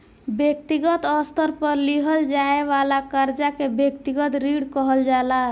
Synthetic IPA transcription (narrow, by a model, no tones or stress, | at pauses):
bjek̚t̪iɡət̪ɔst̪əɾpəɾliɦəld͡ʒaebalakəɾd͡ʒakebjek̚t̪iɡət̪ɾiɽkɔɦəld͡ʒala